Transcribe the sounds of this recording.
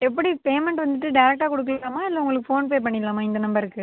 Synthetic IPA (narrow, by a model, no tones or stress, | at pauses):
ɛpːɐɽipeːmɛɳʈʋɐnd̪ɯʈːɯɖɐɪɾɛk̚ʈaːkɔɽɯk̬ːɐlːaːmaːɪlːɐʊŋɡɐɭɯkːɯfoːnpeːp̬ɐɳːɪlːaːmaːɪnd̪ɐnɐmbɐɾɯkːɯ